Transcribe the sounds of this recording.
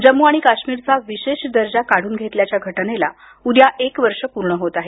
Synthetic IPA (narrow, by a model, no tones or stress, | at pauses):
d͡ʑəmːuaɽ̃ikaɕmiːɾt͡saʋiɕeɕd̪əɾd͡ʑakaɽ̤uːnɡʱet̪ljat͡ɕjaɡʱəʈnela | ud̪jaʔekʋəɾʂəpuɾɳəɦot̪aɦe